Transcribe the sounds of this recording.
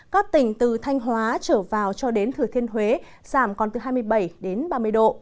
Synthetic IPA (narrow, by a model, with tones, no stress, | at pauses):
kaː˦˥k̚t̪ï˧˩ŋ̟t̪ɨ˨˩t̪ʰa˧jŋ̟ɦwaː˨˦t͡ɕəː˧˩vaː˨˩wt͡ɕɔ˧ɗe˨˦nt̪ʰɨ˨˩t̪ʰi˧ənɦwe˨˦ | z̥aː˧˩mkɔ˨˩nt̪ɨ˨˩ɦaː˧jmɨ˧əjɓə˧˩jɗe˨˦nɓaː˧mɨ˧əjɗo̰˧˨ʔ